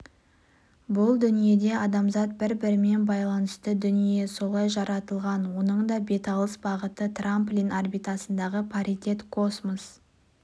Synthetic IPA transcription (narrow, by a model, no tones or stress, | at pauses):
bʊlˠd̪ʏnije̞d̪e̞ɑd̪ɑmzɑt̪̚bɪɾbɪɾɪme̞nbɑjlˠɑnəst̪əd̪ʏnije̞so̞lˠɑjʒɑɾɑt̪əlˠʁɑnwo̞nəɴd̪ɑbe̞t̪ɑlˠəsbɑʁət̪ət̪ramplʲinarbit̪asənd̪ɑʁəpʰaɾit̪ʲe̞t̪kʰo̞smos